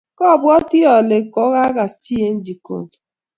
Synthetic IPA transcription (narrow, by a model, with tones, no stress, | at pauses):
kɔ˦˨bwɔ˦tɪ˦ɔ˨le˨kɔ˦ɣa˦ɣa˨st͡ʃi˦e˦n̩˦d͡ʒi˨ko̰˦˨